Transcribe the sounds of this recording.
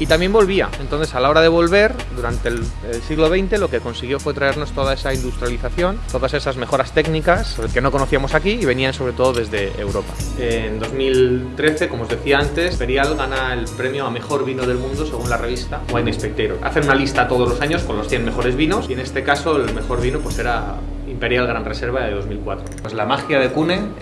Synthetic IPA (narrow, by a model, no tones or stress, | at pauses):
it̪amje̞mbo̞lβ̞ia̰e̞nt̪onθe̞salao̞ɾaðe̞β̞o̞lβ̞e̞ɾ | d̪uɾant̪e̞l | elsiɣlo̞βe̞jnt̪e̞lo̞ke̞ko̞nsiɣ̞jo̞fwe̞t̪ɾae̞ɾno̞st̪o̞ð̞ae̞saind̪ust̪ɾjaliθaθjo̞nt̪o̞ðase̞sazme̞xo̞ɾast̪e̞ɡnikaske̞no̞kono̞θiamo̞sakiːβe̞nianso̞βɾe̞t̪o̞ðo̞ðe̞zðe̞ḛwɾo̞pa̰end̪o̞zmilt̪ɾe̞θe̞ko̞mozðe̞θiaant̪e̞spe̞ɾjalɣanaelpɾe̞mjoame̞xo̞ɾβinoð̞e̞lmũnd̪o̞se̞ɣ̞unlare̞β̞ist̪awajmespek̚t̪ejɾoa̰θe̞nunalist̪at̪o̞ð̞o̞zlo̞saɲo̞sko̞nlo̞sθje̞nme̞xo̞ɾe̞zβino̞sie̞ne̞st̪e̞kaso̞elme̞xo̞ɾβinopwe̞se̞ɾa | impe̞ɾjalɣ̞ɾanre̞se̞ɾβaðeðo̞zmilkwat̪ɾo̞pezlamaxjaðe̞kuneŋ